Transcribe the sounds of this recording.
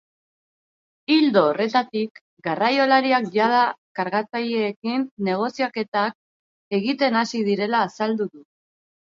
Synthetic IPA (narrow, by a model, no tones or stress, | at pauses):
ild̪o̞ːre̞t̪at̪ik | ɡarajo̞laɾiakʝað̞akaɾɣat͡sajeːkinːe̞ɣ̞o̞siake̞t̪ak̚ | e̞ɣit̪e̞nasið̞iɾe̞laːsald̪uðu